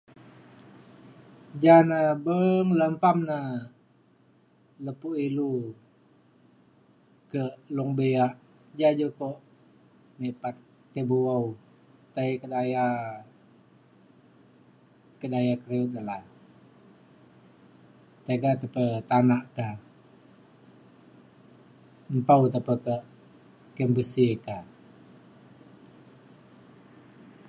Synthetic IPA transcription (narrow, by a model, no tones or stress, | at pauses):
d͡ʒanəbəŋləmpamnə | ləpuʔilu | kəluŋbeaʔ | d͡ʒad͡ʒokoʔ | mepat̪ː | ebuwau | t̪aikədaja | kədajakəɾeunala | t̪eɡat̪apət̪anaʔka | mpaut̪apəkə | kəmbəsika